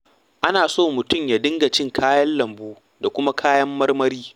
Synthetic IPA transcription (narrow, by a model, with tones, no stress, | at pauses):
ʔa˦naː˨soː˦˨mʊ˨tʊ˦˨mjaː˨dɪ˦ŋɡa˨t͡ʃɪ˦ŋkʰaː˦jɐ˦nlɐ˨mbuː˦ | da˨kʷʊ˦ma˦kʰaː˦jɐ˦mːɐ˦rmɐ˦ɾiː˦